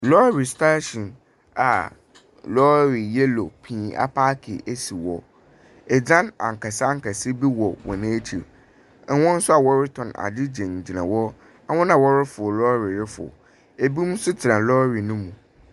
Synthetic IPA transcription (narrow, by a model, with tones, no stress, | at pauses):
lɔ˦ɾi˨sta˦ɕĩ˨n | a˨ | lɔ˦ɾi˨jɛ˦lo̰˨pʰĩː˦˨˦a̰˦pʰa˦kʰɪ̰˨ʔe˦si˨wɔ̰˨ | ɛ˨d͡ʑã˦nã̰˨ŋ̩˨kʰa˨sɪ˦a˦ŋ̩˦kʰa˨sɪ˦bi˦wɔ˨wʔɔ̰˨nã˦e˦t͡ɕʰi˨ɾ̩˦ | wɔ̃˦n̩˦sʊ˦a˨wɔ˦ɾɪ˦tʰɔ̃˨na̰˨dɪ˦d͡ʑɛ̃˨ɲ̩˨d͡ʑi˨nã̰˨wɔ˦ | a˦wʊ̃˦nã˨wɔ˦ɾɪ˦fʊ˨ɔ˨lɔː˦ɾi˨ɾɪ˦fʊ̰˨ɔ̰˨ | e˨bi˦mũ˦sʊ˦tʰɪ˨ɾã˨lɔ˦ɾi˨nʊ̃˦mũ˨